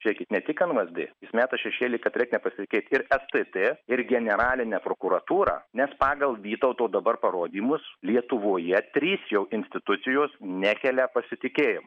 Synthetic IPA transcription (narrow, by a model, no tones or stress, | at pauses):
ʃʲɛɪkʲɪt̪nʲɛt̪ʲɪkɐnʋɐzʲd̪ʲɪ̰jɪsmʲæːt̪ɐʃʲɛʃʲeːlʲɪkɐt̪ɾɛɪknʲɛpɐsʲɪt̪ʲɪkʲɛɪt̪ɪɾɛst̪ɨt̪eɪrɡʲɛnʲɛɾɑːlʲɪnʲɛːpɾoːkuɾɐt̪uːɾɑ̰ːnʲɛspɑːɡɐlˠʋʲiːt̪ɐʊt̪oːd̪ɐbɐrpɐɾoːd̪ʲiːmʊslʲiɛt̪ʊʋoːjɛt̪ʲɾʲiːsjɛʊʔɪnʲsʲt̪ʲɪt̪ʊt̪sʲɪjoːsnʲæːkʲɛlʲɛpɐsʲɪt̪ʲɪkʲeːjɪm